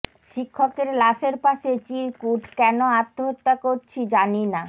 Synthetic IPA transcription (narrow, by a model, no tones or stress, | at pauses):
ʃikʰːokeɾlaʃeɾpaʃet͡ɕiɾkuʈkɛnoat̪ːoɦot̪ːakoɾt͡ɕʰid͡ʑanina